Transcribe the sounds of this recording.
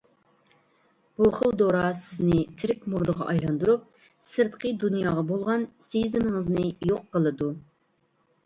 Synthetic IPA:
b̥uχəlˠd̪oɾɑsɪznɪt̪ʰɪɾɪk̚ʲmuɾd̪əʁɑ̰ʔɑjlˠɑnd̪uɾup̚ | sɨɾt̪qʰəd̪unjɑːʁɑbolˠʁɑnsejizɪmɪŋɨznɨjoqːəlˠɨd̪u

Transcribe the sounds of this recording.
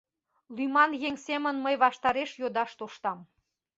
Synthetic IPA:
lymɑnjeŋsemə̆nməjβɑʃt̪ɑɾeʃjod̪ɑʃt̪oʃt̪ɑm

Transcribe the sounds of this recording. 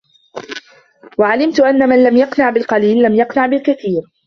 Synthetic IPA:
waʕalɪmt̪ʊʔanːamanlamjɑqnaʕbɪlqɑliːlːamjɑqnaʕbɪlkaθiːɾ

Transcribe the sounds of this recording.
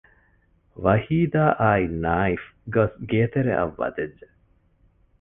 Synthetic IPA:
ʋɐhiːd̪aːʔaːinaːifɡosɡeːt̪eɾḛʔɐ̰ʋːɐ̰d̪ed͡ʒːe

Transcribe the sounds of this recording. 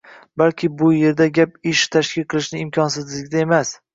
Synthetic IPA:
balkʲʰɪbʊje̞ɾd̪aɡʲapɪʃt̪ʰaʃkʲɪlʲqʰɨlˠɪʃnɪɪmkʰʲɒnsɪzlɪɡʲɪd̪ae̞mas

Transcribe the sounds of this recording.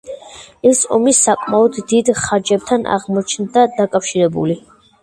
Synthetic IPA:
ɛsɔ̰misːakʼmaɔd̪ːid̪χaɾd͡ʒɛb̚t̪ʰanʔa̰ʁmɔt͡ʃʰnd̪ad̪akʼafʃiɾɛbṵli

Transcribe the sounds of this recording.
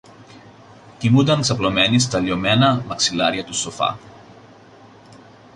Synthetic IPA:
t̪imund̪ɐŋksɐplo̞me̞nis̬t̪ɐlio̞me̞nɐmɐksilɐɾʝɐt̪usofɐ̰

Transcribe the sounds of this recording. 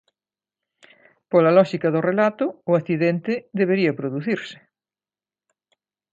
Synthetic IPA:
polɐlɔʃikɐðʊrelat̪ʊʊaθiðent̪ɪðeβ̞eɾiɐpɾoðuθiɾsɪ̥

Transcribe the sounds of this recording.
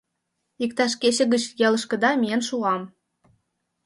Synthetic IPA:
ik̚t̪ɑʃ̬ket͡ɕə̆ɣət͡ɕjelə̆ʃkə̆d̪ɑmʲijənʃuɑm

